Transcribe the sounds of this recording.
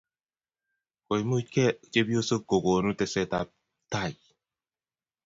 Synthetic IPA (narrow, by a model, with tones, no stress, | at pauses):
ko˨jmu˦kɛ˦˨t͡ʃe˦bi˦o˦sə˦ko˨ɡo˨nu˦tɛ˨sɛ˦ta˨ | ta˦˨j